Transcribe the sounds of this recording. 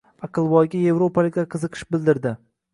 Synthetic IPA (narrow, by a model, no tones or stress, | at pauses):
ɑqɨlˠbɒjɡʲaje̞vɾopʰalɪkʲlʲaqʰɨzɨqʰɨ̥ʃbɪld̪ɪɾd̪ɪ